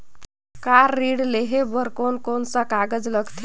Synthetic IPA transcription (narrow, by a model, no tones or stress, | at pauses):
kaɾːiɽleɦebəɾkonkonsə̃kaɡəd͡zləɡt̪ʰe